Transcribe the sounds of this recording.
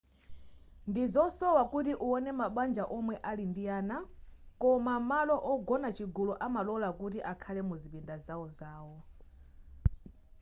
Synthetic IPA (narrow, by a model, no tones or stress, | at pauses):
ndizɔsɔwakutiʔuɔnɛmaɓand͡ʒaʔɔmwɛʔalindijaːnakɔmamalɔʔɔɡɔnat͡ʃʰiɡulɔʔamalɔlakut̬iʔakʰalɛmuzipindazawɔzaːwɔ